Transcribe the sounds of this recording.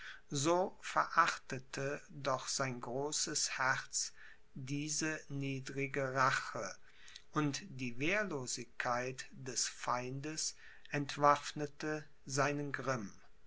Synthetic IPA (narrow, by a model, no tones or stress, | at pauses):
zoːfɛɐʔaχtətʰədɔχz̥aɪnɡʁoːsəshɛʁt͡s | diːzəniːdʁɪɡəʁaχə | ʔʊntd̥iːveːɐloːzɪçkʰːaɪtd̥ɛsfaɪndəs | ʔɛntv̥afnətə | zaɪnənɡʁɪm